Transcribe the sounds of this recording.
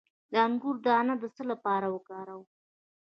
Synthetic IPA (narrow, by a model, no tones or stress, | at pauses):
d̪əaŋɡuɾd̪əanad̪əsəlapɑɾawəkɑɾaw